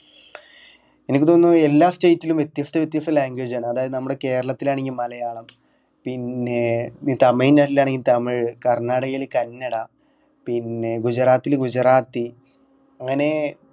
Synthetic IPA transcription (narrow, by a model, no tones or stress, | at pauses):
e̞nikʲːɨt̪oːnːue̞lːaːstejitːilumʋje̞t̪ːjɐst̪ʰɐʋet̪̬ːjɐst̪ɐlaːŋɡweːd͡ʑaːɳɨɐðaːjɐðɨnɐmːuɽe̞ke̞ːɾɐɭɐt̪ːilaːɳeŋɡilmɐlɐjaːɳɐm | pinːe̞it̪ɐmɐjinːaʈːilːaːɳeŋɡilt̪ɐmiɻkɐrnaːɽɐɣilkɐnːɐɽɐ | pinːe̞ɡud͡ʑɐraːt̪ːilɡud͡ʑɐraːt̪ːi | ɐŋːɐne̞